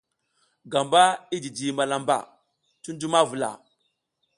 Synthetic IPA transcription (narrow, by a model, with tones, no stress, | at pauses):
ɡa˨mba˦i˦d͡ʒi˨d͡ʒi˨ma˨la˨mba̰˨ | tu˦ndu˦ma˦vu˨la̰˨